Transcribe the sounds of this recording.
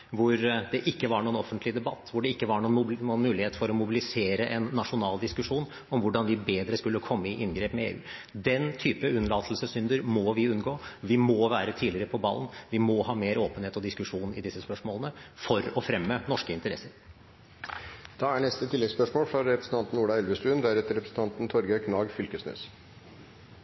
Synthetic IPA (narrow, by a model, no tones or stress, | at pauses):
ʋʊɾd̪ɛʔɪkːəʋɑɳuːənɔfːənt̪lɪd̪ɛbɑt̪ːʋʊɖɛɪkːəʋɑɳuːənunmʉːlɪheːt̪fɔɾɔmʊbɪlɪseːɾəʔɛnːɑʂʊnɑːld̪ɪskʉʂuːn | ɔmʋʊɖɑnʋɪbeːd̪ɾəskʉlːəkʰɔmːəɪʔɪnɡɾeːpmɛḛːʔʉ̰ː | d̪ɛnt̪ʰyːpəʉnlɑːt̪ʰlsəsʏnd̪əɾmɔʋɪʉnɡoːʋɪmɔʋæːɾət̪ʰiːlɪɾəɾəpʰɔbɑ̰ln̩ʋɪmɔhɑːmeːɾoːpənheːt̪ɔd̪ɪskʉʂuːnɪd̪ɪsːəspœʂmoːlənəfɔɾɔfɾɛmːənɔʂkəɪnt̪əɾɛ̰sːəɾ | d̪̥ɑːæɳɛst̪ət̪ʰɪlːɛɡspœʂmoːlfɾɑɾɛpɾəsən̩t̪ɑnt̪n̩uːɖɑɛlʋəst̪ʉːənd̪æɾɛt̪əɾɛpɾəsn̩t̪ɑnt̪n̩t̪ʰɔɾɡəkʰnɑːɡfʏlkəsnø̰ːs